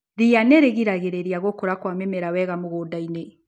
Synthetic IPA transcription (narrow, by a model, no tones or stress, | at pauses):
ðianɛɾeɣiɾaɣeɾeɾiaɣokoɾakwamɛmɛɾawɛɣamoɣoːdaine